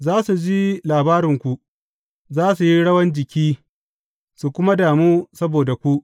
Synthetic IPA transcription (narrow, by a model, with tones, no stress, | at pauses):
zaː˦su˨d͡ʒi˦laː˨baː˦ɾɪ˨ŋkʷu˨ | zaː˦su˨ji˦ɽɐ˦wɐ˦nd͡ʒɪ˨kʲiː˦ | su˨kʷʊ˦ma˦daː˨muː˦sɐ˦boː˨da˨kʷu˦ʔ